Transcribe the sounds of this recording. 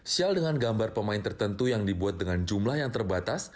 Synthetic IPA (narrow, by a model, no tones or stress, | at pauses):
sialdəŋanɡambarpəmaɪnt̪ərt̪ənt̪ujaŋdibuat̪̚dəŋand͡ʒumlahjaŋt̪ərbat̪as